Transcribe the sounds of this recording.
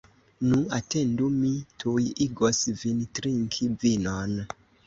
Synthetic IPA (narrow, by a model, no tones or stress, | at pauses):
nuatendumitʰujiɡosvintɾiŋkʰivinon